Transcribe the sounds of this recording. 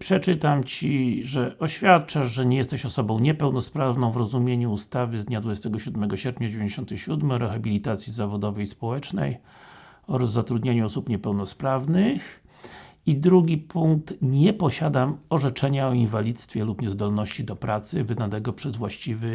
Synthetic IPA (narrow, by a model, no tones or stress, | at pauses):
pʂɛt͡ʂɘt̪amt͡ɕiʐɛʔɔɕfʲjat̪̚t͡ʂaʂʐɛɲɛjɛst̪ɛɕɔsɔbɔ̃w̃ɲɛpɛwnɔspɾavnɔ̃w̃vɾɔzumʲjeɲuust̪avɘzd̪ɲad̪vud͡ʑest̪ɛɡɔɕud̪mɛɡɔɕɛɾpʲɲad͡ʑevʲẽɲd͡ʑeɕɔnt̪ɛɕud̪mɛɔɾɛxabʲilʲit̪at̪sʲjizavɔd̪ɔvɛjspɔwɛt͡ʂnɛ̰j | ɔɾzzːat̪ɾud̪ɲaɲuɔsupɲɛpɛwnɔspɾavnɘx | id̪ɾuɡʲipʰuŋk̚t̪ɲɛpɔɕad̪amɔʐɛt͡ʂɛɲaɔinvalʲit̪st̪fʲjɛlupɲɛzd̪ɔlnɔɕt͡ɕid̪ɔpɾat̪sɘvɘd̪anɛɡɔpʂɛzvwaɕt͡ɕivɘ